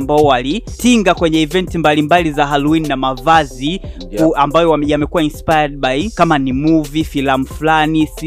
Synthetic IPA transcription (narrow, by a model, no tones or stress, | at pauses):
mbaɔwalitiŋɡakwɛɲɛivɛntimbalimbalizaɦaluininamavazi | ambajɔajamɛkuwainspajad̚ɓajkamanimuvifilamufulanis